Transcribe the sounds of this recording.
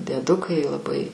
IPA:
dʲiɛˈdʊkɐɪ lˠɐˈbɐɪ

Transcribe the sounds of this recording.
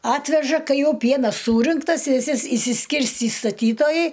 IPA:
ˈɑːtʲʋʲɛʒɐ ˈkɐɪ ˈjɛʊ ˈpʲiɛnɐs ˈsuːrʲɪŋktɐs ʋʲɪˈsʲɪ ɪsʲɪ ʃʲsʲɪˈsʲkʲɪrʲsʲtʲiː stɐˈtʲiːtoːjɛɪ

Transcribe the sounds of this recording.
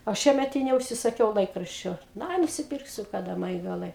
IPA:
oː ˈʃʲiɛmʲɛt ɪ nʲɛʊʃʲsʲɪsɐˈkʲɛʊ ˈlˠɐɪkrɐʃʲt͡ʃʲoː nʊ ˈɐɪ nʊsʲɪˈpʲɪrksʲʊ kɐˈdɐ ˈmɐ jɪ ɡɐˈlˠɐɪ

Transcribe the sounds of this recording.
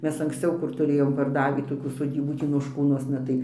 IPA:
ˈmʲɛs ɐŋksʲˈt͡sʲɛʊ kʊr tʊˈrʲeːjoːm pɐrˈdɑːʋʲiː toːˈkʲuː soːˈdʲiːbuː ˈtʲiː noːʃˈkuːnuɔsnɐ tɐɪ

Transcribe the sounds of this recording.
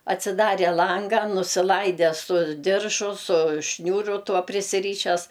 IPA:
ɐtʲsʲɪˈdɑːrʲeː ˈlˠɐŋɡɐ nʊsʲɪˈlˠɐɪdʲɛ sʊ ˈdʲɪrʒʊ sʊ ˈʃʲnʲuːrʊ ˈtuɔ pʲrʲɪsʲɪˈrʲiːʃʲɛs

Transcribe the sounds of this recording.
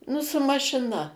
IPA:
ˈnʊ sʊ mɐʃʲɪˈnɐ

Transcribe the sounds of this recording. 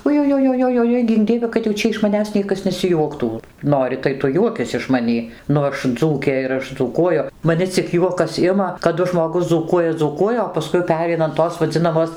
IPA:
ʊjʊjoːjoːjoːˈjoːɪ ˈɡʲɪŋk ˈdʲiɛʋʲɛ kɐt jɛʊ ˈt͡ʃʲɛ ɪʃ mɐˈnʲæːs ˈnʲiɛkɐs nʲɛsʲɪˈjuɔktuː ˈnoːrʲɪ tɐɪ ˈtʊ ˈjuɔkʲɪs ɪʃ mɐˈnʲiː ˈnʊ ˈɐʃ ˈd͡zuːkʲeː ɪr ˈɐʃ d͡zuːˈkuɔjʊ mɐˈnʲɪ t͡sʲɪk ˈjuɔkɐs ˈɪmɐ kɐˈdʊ ʒmoːˈɡʊs d͡zuːˈkuɔjɛ d͡zuːˈkuɔjɛ oː pɐˈskʊɪ ˈpʲæːrʲɛɪnɐ ɐn ˈtoːs ʋɐˈd͡zʲɪnɐmoːs

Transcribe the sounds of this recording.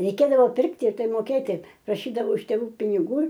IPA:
rʲɛɪˈkʲeːdɐʋoː ˈpʲɪrktʲɪ ɪr ˈtɐɪ moːˈkʲeːtʲɪ prɐˈʃʲiːdɐʋɐʊ ɪʃ tʲeːˈʋuː pʲɪnʲɪˈɡuː

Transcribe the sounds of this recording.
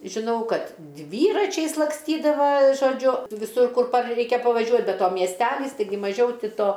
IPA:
ʒʲɪˈnɐʊ ˈkɐt ˈdʲʋʲiːrɐt͡ʃʲɛɪs lˠɐkˈsʲtʲiːdɐʋɐ ʒoːˈd͡ʒʲʊ ʋʲɪˈsʊr ˈkʊr pɐr ˈrʲɛɪkʲɛ pɐʋɐˈʒʲuɔ bʲɛ ˈtoː mʲiɛsʲˈtʲæːlʲiːs tɐɪˈɡʲɪ mɐˈʒʲɛʊ ˈtʲɪ ˈtoː

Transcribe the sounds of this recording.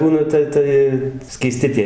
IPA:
ˈbuːnɐ tɐ ˈtɐɪ sʲkʲiːˈsʲtʲɪ tʲiɛ

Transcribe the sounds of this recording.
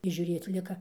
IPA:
ɪr ʒʲuːˈrʲeːt͡s ˈlʲɪkɐ

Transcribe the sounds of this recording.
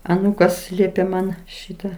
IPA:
ɐˈnuːkɐs ˈlʲiɛpʲeː ˈmɐn ˈʃʲiːtɐ

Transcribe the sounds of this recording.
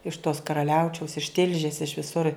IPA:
ɪʃ toːs kɐrɐˈlʲɛʊt͡ʃʲɛʊs ɪʃ ˈtʲɪlʲʒʲeːs ɪʃ ʋʲɪˈsʊr

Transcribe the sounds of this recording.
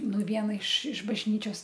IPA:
ˈnʊ ˈʋʲiɛnɐ ɪʃ ɪʃ bɐʒʲˈnʲiːt͡ʃʲoːs

